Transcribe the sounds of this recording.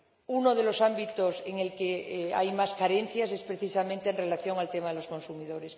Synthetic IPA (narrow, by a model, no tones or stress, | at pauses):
uno̞ðe̞lo̞sambit̪o̞seŋelkea̰jmaskaɾe̞nθjase̞spɾeθisamẽnt̪eːnrelaθjo̞ŋalt̪emaðelo̞sko̞nsumiðo̞ɾes